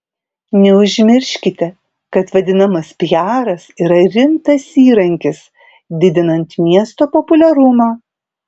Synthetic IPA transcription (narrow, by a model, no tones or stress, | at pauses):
nʲɛʊʒʲmʲɪɾʲʃʲkʲɪt̪ʲɛ | kɐt̪ʋɐd̪ʲɪnɐmɐspʲjæːɾɐsiːɾɐɾʲɪmt̪ɐsiːɾɐŋʲkʲɪs | d̪ʲɪd̪ʲɪnɐnt̪mʲiɛst̪oːpɔpʊlʲɛɾʊmɑː